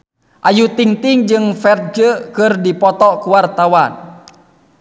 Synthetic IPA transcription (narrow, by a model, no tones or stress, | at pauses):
ʔajut̪iŋt̪iŋd͡ʒɨŋfɛrt̪̚d͡ʒəkɨrdipɔt̪ɔkuwart̪awan